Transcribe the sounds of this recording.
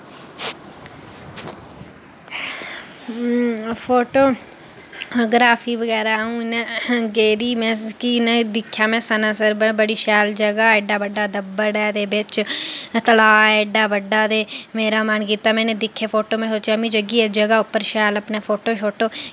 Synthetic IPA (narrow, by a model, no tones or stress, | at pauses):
pʰoːʈoː | ɡɾaːfʰiːʋəɡɛːɾaːɦũːnɡeːɾiːmɛ̃ːkinəd̪ɪkʰːjaːmɛ̃ːsənãːsəɾbəbəɽiːʃɛːld͡ʒəɡaːɛɖaːʋəɖːaːd̪əbəɽɛːd̪eːbɪt͡ʃt̪əlaːeːɖaːʋəɖːaːd̪eːmeːɾaːmənk̬iːt̪aːmɛ̃ːnẽːd̪ɪkʰːeːpʰoːʈoːmɛ̃ːɦot͡ʃamĩːd͡ʒəɡiːed͡ʒəɡaːʊpːəɾʃaːləpneːpʰoːʈoːʃoːʈoː